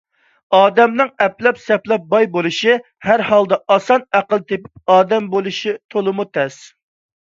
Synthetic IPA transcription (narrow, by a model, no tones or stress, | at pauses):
ɑːd̪ɛmnɨŋɛplɛpsɛplɛp̚bɑjbolˠuʃi | hæɾhɑlˠd̪ɑɑsɑnæqəlˠt̪ʰepɪp̚ɑːd̪ɛmbolˠuʃit̪ʰolˠɨmut̪ʰɛs